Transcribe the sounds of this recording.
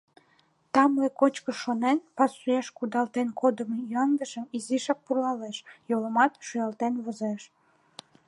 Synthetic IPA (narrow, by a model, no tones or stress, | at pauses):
t̪ɑmlekot͡ɕkəʃonenpɑsujeʃkud̪ɑlt̪enkʰod̪əmejɑnd̪əʃəmiziʃɑk̚purlɑleʃjoləmɑt̪ʃujɑlt̪enβozeʃ